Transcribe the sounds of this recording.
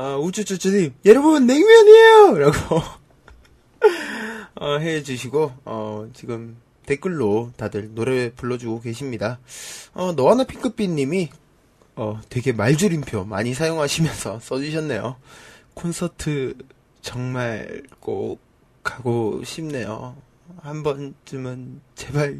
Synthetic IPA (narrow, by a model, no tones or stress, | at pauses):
ʌud͡ʑut͡ɕ͈ut͡ɕ͈ʰɯɲimjeɾʌbʌbɯnːeŋmjʌɲejoɾaɡo | ʌɦe̞d͡ʑuɕʰiɡoʌt͡ɕiɡɯm | te̞k͈ɯɭːotadɯɭnoɾepuɭːʌd͡ʑuɡoke̞ɕʰimɲidaʌnʌanɯnpʰiŋk͈ɯp͈iɲːimi | ʌtwe̞ɡe̞maɭd͡ʑuɾinpʰjomaɲisʰajoŋɦaɕʰimjʌnsʰʌs͈ʌd͡ʑuɕʰʌnːe̞jokʰonsʰʌtʰɯ | t͡ɕʌŋmaɭk͈o | k͈ʰːaɡoɕʰimne̞jo̰ | hambʌnt͡ɕɯmɯnt͡ɕe̞baɭ